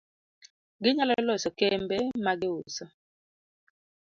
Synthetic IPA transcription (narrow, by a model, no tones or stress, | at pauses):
ɡɪɲalalɔsɔkɛmbɛmaɡɪʊsɔ